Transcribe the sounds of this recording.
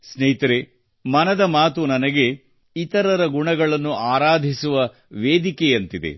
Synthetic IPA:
snɐit̪ɐɾe | mɐnɐd̪ɐmaːt̪unɐnɐɡe̞ | it̪ɐɾɐɾɐɡuɳɐɡɐɭɐnːuaːɾaːd̪ʱisuʋɐ | ʋeːd̪ikejɐnt̪id̪e̞̰

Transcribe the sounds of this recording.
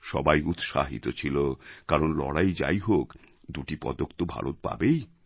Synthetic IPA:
ʃɔbajut̪ʃa̰ɦḭt̪ot͡ɕʰilokaɾonlɔɽajd͡ʑa̰jɦok | d̪uʈipɔ̰d̪okt̪obʱa̰ɾot̪̚pa̰bej

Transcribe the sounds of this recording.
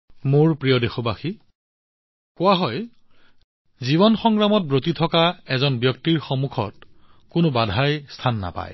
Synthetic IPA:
moɹpɹijɔdexobaxi | kʊwaɦɔj | ziβɔnxɔŋɡɹamɔt̚bɹotitʰɔkaɛzɔnbjɔktiɹxɔmukʰɔ̰t̚kʊnʊbadʱajstʰanːa̰pa̰j

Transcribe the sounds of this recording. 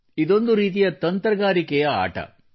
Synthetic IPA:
id̪o̞nd̪uɾiːt̪̬ijɐt̪ɐnt̪ɾɐɡaːɾikɛjɐa̰ːʈɐ̰

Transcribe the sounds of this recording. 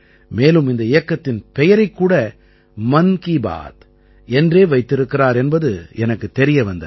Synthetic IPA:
meːlɯmɪnd̪ɐɪjɐkːɐt̪ːɪnpɛjɐɾɐɪkːuːɽɐ | mɐŋkiba̰ːt̪ | ɛndreːʋɐɪt̪ːɪɾɯkːɪraːɾɛnbɐðɯɛnɐkːɯt̪ːɛɾɪjɐʋɐnd̪ɐ

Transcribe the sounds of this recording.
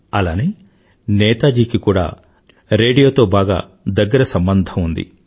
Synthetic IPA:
ɐlaːneː | nɛːt̪aːd͡ʒiːkikuːɽa̰ː | ɾeːɖijo̞ːt̪o̞ːbaːɡa̰ː | d̪ɐɡːɐɾɐsɐmbɐnd̪ʱɐmund̪ḭ

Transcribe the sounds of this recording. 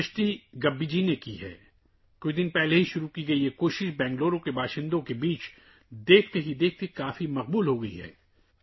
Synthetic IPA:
ʃʈ̪iɡɐbːid͡ʒinekiɦɛ̰ː | kʊt͡ʃʰd̪ɪnpɛɦleɦiʃʊɾukiɡɐiɛkoːʃɪʃbɛ̃ːŋɡloːɾõkebaːʃɪ̃nd̪õkebiːt͡ʃ | d̪eːk̚ʰt̪eɦid̪eːk̚ʰt̪ikaːfimɐq̚buːlɦoɡɐḭɦɛ̰ː

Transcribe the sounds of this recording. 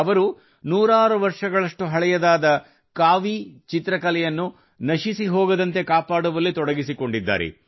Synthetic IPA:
ɐʋɐɾu | nuːɾaːɾuʋɐɾʂɐɡɐɭɐʂʈuɦɐɭɛjɐd̪aːd̪ɐ | kaːʋit͡ʃit̪ɾɐkɐlɛjɐnːu | nɐʃisiɦoːɡɐd̪ɐnt̪e̞kaːpaːɽuʋɐlːit̪ɔɽɐɡisiko̞ɳɖid̪ːa̰ːɾḛ

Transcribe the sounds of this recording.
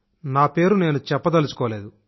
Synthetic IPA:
naːpe̞ːɾune̞ːnut͡ʃɛpːɐt̪ɐlusu̥kɔːle̞ːd̪u

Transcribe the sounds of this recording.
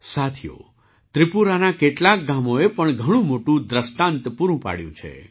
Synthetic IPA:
sat̪ʰijo̰ | t̪ɾipuɾanakeʈlak̚ɡamoepəɳɡʱəɽ̃ũmoʈũd̪ɾəsʈãnt̪puɾũpa̰ɽjṵ̃t͡ʃʰḛ

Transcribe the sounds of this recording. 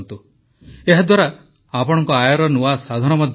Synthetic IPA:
nt̪u | eɦad̪waɾaː | pɔɽ̃ɔŋkɔajɔɾɔnuasad̪ʱaɾ̃ɔmɔd̪ʱ

